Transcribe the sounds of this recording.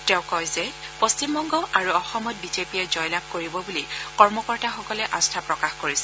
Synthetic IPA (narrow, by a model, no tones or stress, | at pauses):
tɛʊ̃kɔjzɛ | post͡ʃimbɔŋɡɔʔaɹuɔxɔmɔt̚bizepiɛzɔjlab̚koɹibɔbulikɔɹmɔkɔɹtaxɔkɔlɛʔastʰapɹɔkaxkoɹisɛ̥